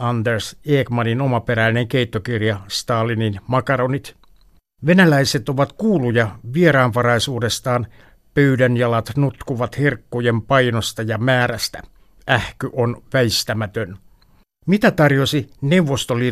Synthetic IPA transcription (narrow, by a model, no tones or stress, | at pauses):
ɑnd̪erseːkmɑninomɑpeɾæineŋkeit̪ːokirjɑst̪ɑːlininmɑkɑɾonit̪ | ʋenælæiset̪oʋɑt̪kuːlujɑʋieɾɑːnʋɑrɑisuːdest̪ɑːn | pøydænjɑlɑt̪nut̪kuʋɑt̪hirkːujempɑinost̪ɑjɑmæːɾæst̪æ̰ | æhkyʔonʋæist̪æmæt̪øn | mit̪æt̪ɑrjosineuʋːost̪oliː